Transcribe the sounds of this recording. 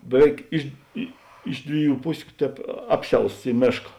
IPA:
bʲɛˈʋʲɛɪk ˈɪʃ ɪ ˈɪʃ dʲʋʲɪˌjuː ˈpʊsʲʊ ˈtʲɛːp ˈɑːpʲˌsʲɛʊsts ˈiː ˈmʲeːʃkɐ

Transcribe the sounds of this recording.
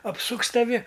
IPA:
ɐpˈsʊks tɐˈʋʲɪ

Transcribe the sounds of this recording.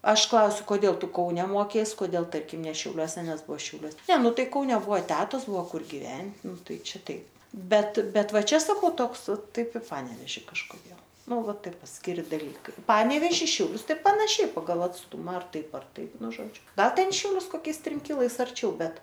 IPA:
ˈɐʃ ˈklˠɐʊsʲʊ koːˈdʲeːlˠ ˈtʊ ˈkɐʊnʲɛ ˈmoːkʲɛɪs koːˈdʲeːlˠ ˈtɐrʲkʲɪm nʲɛ ʃʲɛʊˈlʲuɔsʲɛ ˈnʲɛs ˈbʊʋoː ʃʲɛʊˈlʲuɔs nʲɛ ˈnʊ ˈtɐɪ kɐʊˈnʲɛ ˈbʊʋoː ˈtʲæːtoːs ˈbʊʋoː ˈkʊr ɡʲɪˈʋʲɛn ˈnʊ ˈtɐɪ ˈt͡ʃʲɛ ˈtɐɪp ˈbʲɛt ˈbʲɛt ˈʋɐ ˈt͡ʃʲɛ sɐˈkɐʊ ˈtoːks ˈtɐɪp ɪ ˈpɑːnʲɛʋʲɛʒʲɪ kɐʃkoːˈdʲeːlˠ ˈnʊ ˈʋɐ ˈtɐɪp pɐsʲkʲɪˈrʲɪ dɐˈlʲiːkɐɪ ˈpɑːnʲɛʋʲɛʒʲɪ ʃʲɛʊˈlʲʊs ˈtɐɪ pɐnɐˈʃʲɛɪ pɐˈɡɐlˠ ɐtsˈtʊmɐ ɐr ˈtɐɪp ɐr ˈtɐɪp ˈnʊ ˈʒoːd͡ʒʲʊ ˈɡɐlˠ ˈtʲɛn ɪ ʃʲɛʊˈlʲʊs koːˈkʲɛɪs ˈtʲrʲɪm ˈkʲɪlˠɐɪs ɐrʲˈt͡ʃʲɛʊ ˈbʲɛt

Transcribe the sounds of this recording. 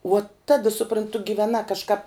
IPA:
uɔ ˈtɐ sʊprɐnˈtʊ ɡʲɪʋʲɛˈnɐ kɐʃˈkɐp

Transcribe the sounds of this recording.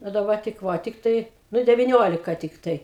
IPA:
oː dɐˈbɐ tʲɪk ˈʋɐ tʲɪkˈtɐɪ ˈnʊ dʲɛʋʲɪˈnʲoːlʲɪkɐ tʲɪkˈtɐɪ

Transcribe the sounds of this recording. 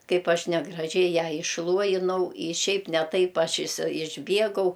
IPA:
ˈkɐɪp ˈɐʃ nʲɛɡrɐˈʒʲɛɪ ˈjæː ɪʃˈlˠuɔjɪnɐʊ ɪ ˈʃʲɛɪp nʲɛ ˈtɐɪp ˈɐʃ ɪsʲɪ ɪʒʲˈbʲiɛɡɐʊ

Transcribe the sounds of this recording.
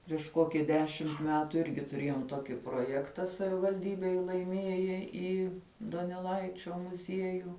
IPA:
pʲrʲiɛʃ ˈkoːkʲɪ ˈdʲæːʃʲɪmt ˈmʲæːtʊ ˈɪrʲɡʲɪ tʊˈrʲeːjoːm ˈtoːkʲɪ proːˈjæːktɐ sɐʋʲɪʋɐlʲˈdʲiːbʲeːj lˠɐɪˈmʲiɛjɛ iː doːnʲɛˈlˠɐɪt͡ʃʲoː mʊˈzʲiɛjuː

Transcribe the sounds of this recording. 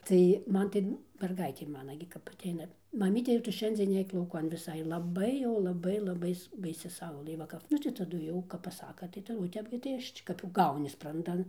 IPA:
tɐɪ ˈmɐn tɐɪ mʲɛrˈɡɐɪtʲeː ˈmɑːnɐ ɡʲɪ kɐp ɐˈtʲɛɪnɐ mɐˈmʲiːtʲɛ jɛʊ ˈtʊ ˈʃʲɛnʲd͡zʲiɛn ˈnʲɛɪk lˠɐʊˈkɐn ʋʲɪˈsɐɪ lˠɐˈbɐɪ jɛʊ lˠɐˈbɐɪ lˠɐˈbɐɪ bɐɪˈsʲɪ ˈsɐʊlˠɘ ˈʋɐ kɐp ˈnʊ tɐɪ tɐˈdʊ jɛʊ kɐp pɐˈsɑːkɐ tɐɪ ˈtɐ oː ˈtʲɛp ɡʲɪ tɐɪ ˈɐʃ t͡ʃʲɪk kɐp jɛʊ ˈɡɐʊnʲɪ sprɐnˈdɐn

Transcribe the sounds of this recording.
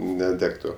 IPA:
nʲɛˈdʲæːktʊ

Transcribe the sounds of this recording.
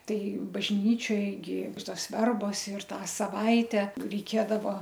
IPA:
ˈtɐɪ bɐʒʲˈnʲiːt͡ʃʲoːj ɡʲɪ ˈtoːs ˈʋʲɛrboːs ɪr ˈtɑː sɐˈʋɐɪtʲɛ rʲɛɪˈkʲeːdɐʋɐ

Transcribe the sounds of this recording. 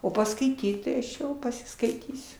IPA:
oː pɐskɐɪˈtʲiːt tɐɪ ɐʃ ˈjɛʊ pɐsʲɪskɐɪˈtʲiːsʲʊ

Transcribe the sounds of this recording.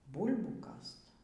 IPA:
ˈbuːlʲbuː ˈkɐst

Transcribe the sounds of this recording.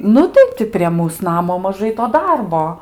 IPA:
ˈnʊ tɐɪ ˈtʲɪ pʲrʲiɛ ˈmuːs ˈnɑːmoː mɐˈʒɐɪ toː ˈdɐrboː

